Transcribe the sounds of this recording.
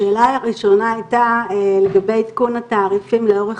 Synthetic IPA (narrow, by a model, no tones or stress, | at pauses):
e̞ːlaaʁiʃo̞naajt̪ale̞ɡabe̞jt̪kunat̪aːʁifimleo̞ʁe